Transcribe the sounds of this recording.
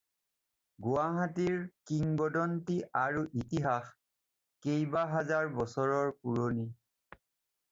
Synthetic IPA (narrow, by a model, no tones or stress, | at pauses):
ɡuaɦatiɹkiŋbɔdɔntiʔaɹuʔitiɦax | kejbaɦazaɹbɔsɔɹɔɹpuɹoni